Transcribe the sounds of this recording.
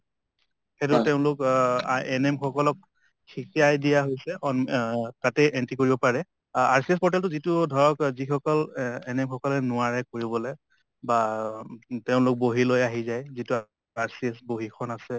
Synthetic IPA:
xetʊteʊ̃lʊk | ɛnɛmxɔkɔlɔk̚ | xʰikiajdijaɦojsɛɔntatɛʔɛntikoɹibɔpaɹɛ | aɹsiɛspɔɹtɛltʊzitʊdʱɔɹɔkzixɔkɔlɛnɛmxʰɔkɔlɛnʊaɹɛkoɹibɔlɛ | ba | teʊ̃lʊk̚boɦilojaɦizajzitʊ | aɹsiɛsboɦikʰɔnasɛ

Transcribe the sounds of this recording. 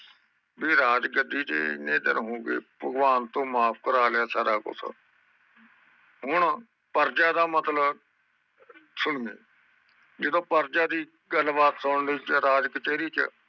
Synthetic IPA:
biːɾaːd͡ʒɡəd̪ːiːt͡ʃḛneːd̪ə̰nɦõːɡḛːbəɡʋaːnt̪õːmaːp̚ʰkəɾaːlɪaːsaːɾaːkʊ̰sʰə̰ | ɦʊɳ | pəɾd͡ʒaːd̪aːmət̪lə | sʊɳɡeː | d͡ʒɪd̪õːpəɾd͡ʒaːd̪iː | ɡəlbaːt̪səːɳliːt͡ʃɾaːd͡ʒkət͡ʃeːɾiːt͡ʃə̰

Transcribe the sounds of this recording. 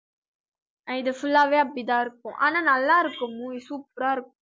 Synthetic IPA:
ɪðɯfʊlːaːʋeːɐpːɽɪt̪ãːɪɾɯkːʊ̃ʔa̰ːnãːnɐlːaːɪɾɯkːʊmʊisuːpɾaːɪɾɯkːʊ̃

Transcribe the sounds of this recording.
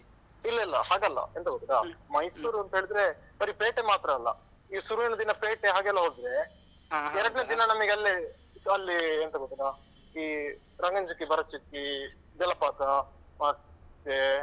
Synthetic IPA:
ilːɐɛlːɐ̰haːɡɐlːɐ̰ent̪ɐɡot̪ːiɾa̰mɐjsuːɾuɐnt̪ɐɦeːɭid̪ɾe̞ | bɐɾipeːʈemaːt̪ɾɐːlːɐ̰ | iːsuɾuinɐd̪inɐpeːʈeɦaːɡeɛlːɐɦoɽd̪ɾe | ɛɾɐɖned̪inɐnɐmiɡeɐlːi | ɐlːient̪ɐɡot̪iɾa | iː | ɾɐŋɡɐɲd͡ʒukːibɐɾɐt͡ʃukːi | d͡ʒ̪ɛlːɐpaːt̪ɐ | maːɾst̪e

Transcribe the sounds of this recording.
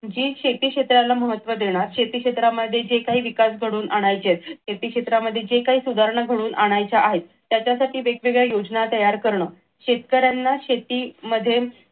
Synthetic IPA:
d͡ʑiːɕet̪iːkʂet̪ɾalːaməɦət̪ːʋəd̪eɽ̃aɾɕet̪iːkɕet̪ɾaməd̪ʱːjed͡ʑekaɦiːʋikasɡʱəɽuːnʔaɽ̃ajt͡ɕet̪ɕet̪iːkʂet̪ɾaməd̪ʱːjed͡ʑekaɦiːsud̪ʱaɾɳəɡʱəɽuːnʔaɽ̃ajt͡ɕaʔaɦet̪ːjat͡ɕjasaʈiːʋeɡʋeɡɭjajod͡znat̪əjaɾkəɾɳəː | ɕet̪kəɾjanːaɕet̪iːməd̪ʱːje

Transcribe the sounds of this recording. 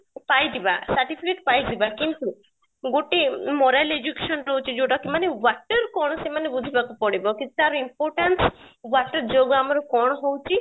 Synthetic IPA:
pajd̪iba̰saɾʈipʰikeʈpajd̪ibakint̪u | ɡoʈemɔɾajled͡ʒukeʃɔnɾowt͡ʃʰid͡ʒoʈakimanewaʈɔɾkɔɽ̃ɔsemanebud̪ʱibakupɔɽibɔkiaɾɔimpɔɾʈanswaʈɔɾd͡ʒoɡamɔɾɔkɔɽ̃ɔɦowt͡ʃʰi

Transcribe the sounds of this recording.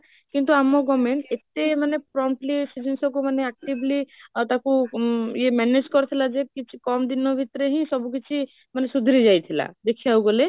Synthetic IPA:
kint̪uamoɡɔmeɳʈet̪emanepɾɔɳʈlisid͡ʒensɔk̬umaneɛk̚ʈiblit̪akujemɛned͡ʒkɔɾt̪ʰilad͡ʒekit͡ʃʰi̥kɔmd̪inobʱit̪ɾeɦĩsɔbukit͡ʃʰi | manesud̪ʱɾid͡ʒajt̪ʰila̰d̪ekʰiauɡole

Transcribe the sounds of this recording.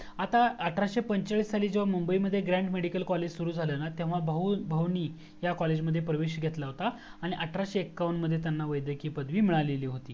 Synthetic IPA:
at̪aəʈʰɾaɕepəɲt͡ɕaɭisaliːd͡ʑeʋ̤amumbəiməd̪ʱːjeɡɾæ̃ɳʈmeɽikəlkɔled͡ʑsuɾuːd͡zʱalənat̪ẽʋ̤abʱəbʱəwniː | jakɔled͡ʑməd̪ʱːjepɾəʋeɕɡʱet̪laɦot̪aːɽ̃iʔəʈʰɾaɕeekːawɳʈməd̪ʱːjet̪̬janːaʋəjd̪jəkiːpəd̪ʋiːmiɭaleliːɦot̪iː

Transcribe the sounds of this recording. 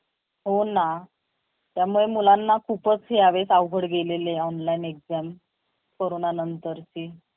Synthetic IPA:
ɦona | t̪jamuɭemulanːakʰupət͡sɦeaʋesaʋɡʱəɽɡeleleɔnlainekd͡zam | koɾonanənt̪əɾt͡ɕi

